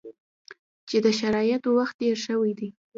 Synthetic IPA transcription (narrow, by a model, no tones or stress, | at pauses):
t͡ʃed̪əʃaɾɑjat̪waxt̪̚ɖeɾʃəwijd̪i